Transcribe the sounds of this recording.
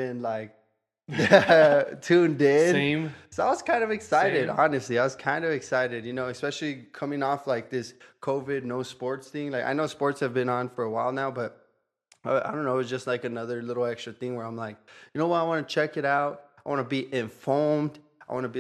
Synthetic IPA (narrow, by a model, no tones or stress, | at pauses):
ɪ̃nlaɪk̚ | tʰʉ̃ndɪ̥msoʊaɪwʌz̥kʰãɪ̃ndʌvɨksaɪɾɪdɑ̰nɨstˡliaɪwʌz̥kʰãɪ̃ndʌvɨksaɪɾɨd̚jɨnoʊɨspɛʃl̩ˠikʰʌ̃mɪ̃ŋɔflaɪk̚ðɪskʰoʊvɪdⁿnoʊspɔɹtsθɪ̃ŋlaɪka̰ɪnoʊspɔɹtshɨvbɨ̃nə̃nfə˞əwaɪlˠnaʊbʌt̚ | ʌaɪdõʊ̃nːoʊtzd͡ʒʌst̚ˡlaɪkɨnʌðə˞lɪɾl̩ˠɛkstɹ̥ɨθɪ̃ŋwə˞ãɪ̃mlaɪk̚jɨnoʊwʌɾaɪwɑnɨt͡ʃʰɛkɨɾaʊt̚aɪwɑnəbiʔɪ̃ɱfɔmd̥ | aɪwɑ̃nəbi